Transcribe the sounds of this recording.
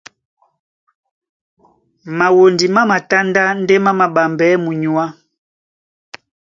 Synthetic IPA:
ma˨wo˨ndi˨ma˦ma˨ta˦nda˦n˦dɛ˦ma˦ma˨ɓa˨mbɛ˨˦mu˨ɲu˨a˦

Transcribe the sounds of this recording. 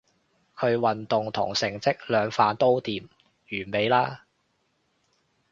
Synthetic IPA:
kʰɵ˨˧ɥwɐ˨nt̪ʊ˨ŋt̪ʰʊ̰˨˩ŋsɪ˨˩ŋt͡sɪ˥k̚lœː˨˧ŋfaː˧nt̪o˥wt̪iː˨m | jyː˨˩nme˨˧jlaː˥

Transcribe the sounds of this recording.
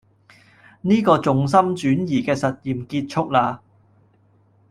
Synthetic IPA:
niː˥kɔː˧t͡sʊ˨ŋs̬ɐ˥mt͡ʃyː˨˥njiː˨˩kɛː˧sɐ˨t̚jiː˨mkiː˧t̚t͡ʃʰʊ˥k̚laː˧

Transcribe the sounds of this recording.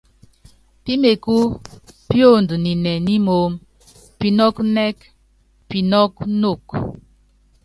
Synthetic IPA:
pi˦me˨ku˦pjo˦˨ndu˨ni˨nɛ˨ni˦mo˨˦m | pi˨nɔ˦knɛ˦k | pi˨nɔ˦k̚no˦˨k

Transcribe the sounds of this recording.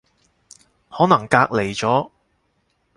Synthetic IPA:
hɔː˨˥nɐ˨˩ŋkaː˧k̚le˨˩jt͡sɔː˨˥

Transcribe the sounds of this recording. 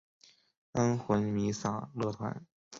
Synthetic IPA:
ə˥nxwə˧˥nmi˧˥sa˥˩lɤ˥˩t̪ʰwa̰˧˥n

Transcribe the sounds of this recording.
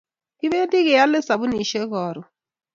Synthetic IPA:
kɪ˦be˦di˦ɣe˨ja˦lɪ˦sa˨bʊ˦ni˨ʃe˦ɣɔː˨ɾʊ˨

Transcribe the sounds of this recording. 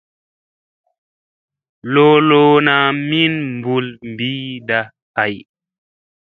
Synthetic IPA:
loː˦loː˦na˨mi˦nmbu˨lm˨biː˦da˨ | ka˨j

